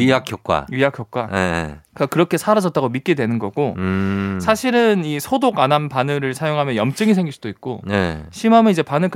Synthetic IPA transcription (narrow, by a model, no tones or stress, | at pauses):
iakʰjok̚k͈wa̰ɥijakʰjok̚k͈waekkakɯɾʌkʰe̞sʰaɾad͡ʑʌt̚t͈aɡomit̚k͈e̞dwenɯnɡʌɡ̥o | sʰaɕʰiɾɯnisʰodokananpanɯɾɯɭsʰajoŋɦamjʌnjʌmt͡ɕ͈ɯŋis̬ʰe̞ŋɡiɭsud̥oit̚k͈oneɕʰimɦamjʌnid͡ʑe̞panɯɭk